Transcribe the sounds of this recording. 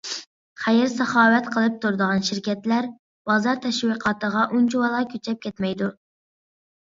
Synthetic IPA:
χæjɪɾsɑχɑːwɛt̪qʰəlˠɨp̚t̪ʰuɾd̪əʁɑnʃɪɾkʲʰɛt̪læɾ | b̥ɑzɑɾt̪ʰɛʃwiqʰɑːt̪əʁɑʔunt͡ʃuwɑlˠɑkʲʰøt͡ʃʰɛp̚kʲʰɛt̪mɛjd̪u

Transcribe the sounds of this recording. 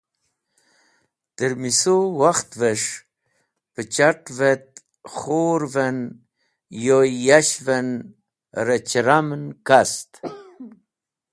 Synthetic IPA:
t̪əɾmisowaxt̪vəʂ | pət͡ʃaʈvet̪̚ | χoɾvən | jojaɕvən | ɾət͡ʃɾamnkast̪

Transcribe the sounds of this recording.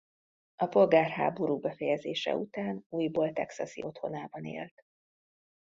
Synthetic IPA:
ɒpo̞lɡaːrɦa̰ːbo̞ɾuːbɛfɛjɛzeːʃɛ̰ut̪aːnuːjboːlt̪ɛksɒsḭo̞t̪ho̞naːbɒnḛːlt̪

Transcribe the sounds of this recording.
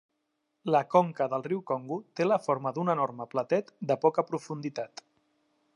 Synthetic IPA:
ləkɔŋkəðəlˠriwkɔŋɡut̪eləfoɾməðunənoɾməplət̪ɛt̪d̪əpɔkəpɾufund̪it̪at̪

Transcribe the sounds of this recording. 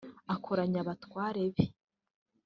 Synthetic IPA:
akʰoɾaɲaβatwaːɾeβi

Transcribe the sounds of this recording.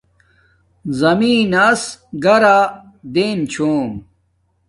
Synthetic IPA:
zɐmiːnɐsɡɐɾa | d̪eːnt͡ɕʰoːm

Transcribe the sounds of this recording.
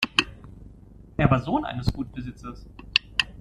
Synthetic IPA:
ʔeːɐvaːɐzoːnʔa̰ɪnəsɡ̥uːt̚b̥əzɪt͡sɐs

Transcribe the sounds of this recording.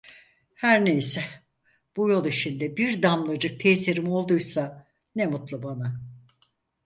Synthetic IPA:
hæɾnejsɛ | b̥ujo̞lˠiʃind̪ɛbiɾd̪amlˠad͡ʒɯk̚t̪ʰeːsiɾimo̞lˠd̪ujsa | nemut̪lˠɯbana

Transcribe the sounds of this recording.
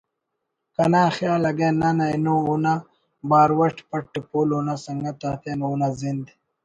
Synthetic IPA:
kɐnaːxjaːlɐɡenanajnouna | baːɾwɐʈpɐʈːipuloːnasɐŋɡat̪aːt̪eːnunazind̪i

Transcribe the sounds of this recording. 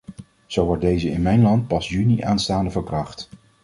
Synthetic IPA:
z̥owʋɔɹ̚dejzəɪnmɛjnlɑnt̚pɑsjyniʔaːnstaːndəvəɹkrɑχt

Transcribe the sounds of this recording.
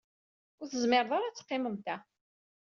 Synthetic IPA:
ʊɾθəzmɪɾˤðˤɑɾat͡sːə̥qːɪməmt̪æ

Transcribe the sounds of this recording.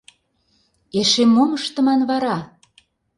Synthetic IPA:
eʃemːoməʃt̪ə̆mɑnβɑɾɑ

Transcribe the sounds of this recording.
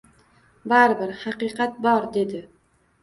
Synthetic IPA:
baɾbɪɾhɑqɨqʰɑt̪̚bɒɾd̪e̞d̪ɪ

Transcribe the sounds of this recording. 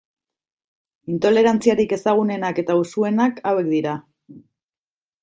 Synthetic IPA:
int̪o̞le̞ɾant͡siaɾike̞saɣ̞une̞nake̞t̪ausue̞nakawe̞kd̪iɾa

